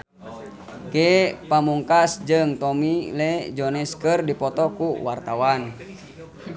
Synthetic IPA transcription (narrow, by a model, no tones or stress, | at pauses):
kepamuŋkasd͡ʒɨŋt̪ɔmilɛd͡ʒɔnɛskərdipɔt̪ɔkuwart̪awan